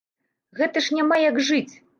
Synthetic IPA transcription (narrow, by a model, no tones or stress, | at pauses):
ɣɛt̪ɐʂnʲamajaɡʐɨt͡sʲ